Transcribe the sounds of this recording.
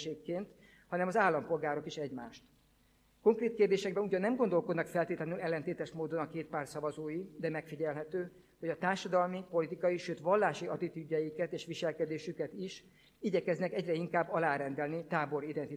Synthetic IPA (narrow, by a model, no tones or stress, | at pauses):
eːkːeːnt̪ | hɒnɛmɒzaːlːɒmpo̞lɡaːɾo̞kiʃɛɟmaːʃt̪ | ko̞ŋkreːt̪̚keːrd̪eːʃɛɡ̚bɛnuɟɒnːɛmɡo̞nd̪o̞lko̞d̪nɒkfɛlt̪eːt̪lɛnylɛlːɛnt̪eːt̪ɛʃmoːd̪o̞nɒkeːt̪̚paːrt̪sɒvɒzoːjid̪ɛmɛkfiɟɛlɦɛt̪øː | ho̞ɟɒt̪aːrʃɒd̪ɒlmipo̞lit̪ikɒjiʃøːt̪ʋɒlːaːʃiɒt̪it̪yɟːɛjikɛt̪eːʃʋiʃɛlkɛd̪eːʃykɛt̪iʃ | iɟɛkɛznɛkɛɟrɛiŋkaːbːɒlaːɾɛnd̪ɛlnit̪aːbo̞ɾid̪ɛnt̪i